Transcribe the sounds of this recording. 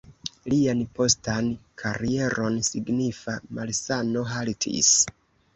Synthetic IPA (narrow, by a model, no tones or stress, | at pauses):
lianpo̞stankʰaɾie̞ɾo̞nsiɡnifamalsano̞ɦaltʰḭs